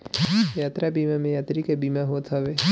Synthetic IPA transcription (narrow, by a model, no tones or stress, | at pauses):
jaːt̪ɾabiːmamẽjaːt̪ɾikebiːmaɦoːt̪ɦɔʋe